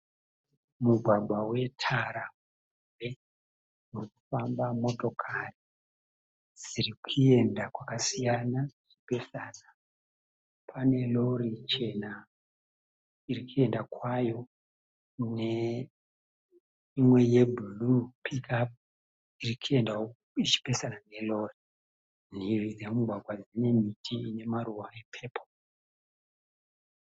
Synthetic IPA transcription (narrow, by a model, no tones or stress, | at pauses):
muɡʱwaɓʱwawe̞tʰaɾamu | umbe̞ | muriku̥fambamo̞to̞kʰari | z̥iɾikʰue̞ndakwakasijanaʐ̥ipe̞sanḁ | pʰane̞lo̞rit͡ʃe̞na | irikʰue̞ndakwajo̞ | ne | imwe̞je̞bʱulupikʰap̚ | irikʰue̞nda | it͡ʃi̥pe̞sanane̞lo̞ri | n̤irid͡zemuɡʱwaɡʱwad͡zine̞mitʰiine̞maruwaepʰe̞ːpʰo